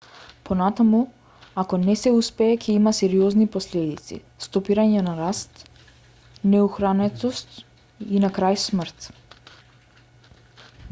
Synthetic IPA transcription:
pʰonat̪amu | akɔnɛsɛuspɛːcʲʰɛimasɛɾiɔznipɔslɛd̪it̪sḭ | st̪ɔpiɾaɲɛnaɾast̪ | nɛuxɾanɛt̪ɔst̪ | inakɾajsmr̩t̪

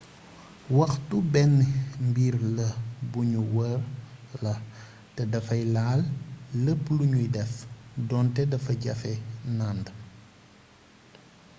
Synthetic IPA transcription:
wɐxtubɛnːəmbiːrlɐbuɲuwərlɐ | tɛdɐfɐjlaːlːəpːluɲujdɛfdɔntɛdɐfɐɟɐfɛnand

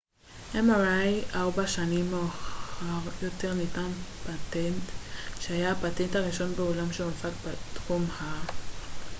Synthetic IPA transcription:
ʔemaʁajʔaʁbaʃanimːeoχaʁjo̞te̞ʁnitanpatentʃehajaapatenthaʁiʃo̞nbeo̞lamʃeolfakbatχumha

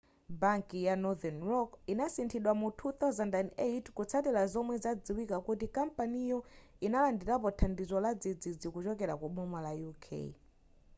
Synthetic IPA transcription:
baŋkijanɔðɛnɾɔkinasintʰiɗwamutʰut̪ɔzandaneitʰkut͡sʰatɛlazɔmwɛzad͡ziwikakutikampanijɔ | inalandiɾapɔtʰandizɔlad͡zid͡zid͡zikut͡ʃɔk̬ɛɾakuɓɔmalajukʰḛḭ

